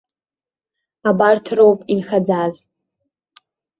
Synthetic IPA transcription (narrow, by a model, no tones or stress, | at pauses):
abartʰrowpʼinxad͡zaz